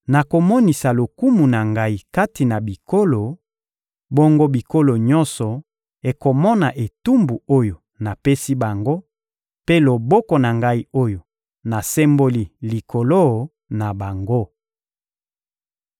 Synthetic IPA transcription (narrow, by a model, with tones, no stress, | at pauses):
na˨ko˨mɔ˦ni˨sa˨lo˨ku˦mu˨na˨ŋɡa˦i˨ka˦ti˨na˨bi˨ko˦lo˨ | bo˦ŋɡo˦bi˨ko˦lo˨ɲɔ̃˦nsɔ˨ | e˨ko˨mɔ˦na˨ʔe˨tu˦mbu˨o˦jo˨ | na˨pe˦si˦ba˨ŋɡo˦ | pe˦lo˨bɔ˦kɔ˨na˨ŋɡa˦i˦o˦jo˨ | na˨sɛ˦mbo˦li˦li˨kʰo˨lo˦˨ | na˨ba˨ŋɡo˦